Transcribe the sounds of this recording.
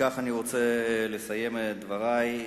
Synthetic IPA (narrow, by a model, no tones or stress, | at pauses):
aχaniʁo̞t͡selesaje̞med̪vaʁaj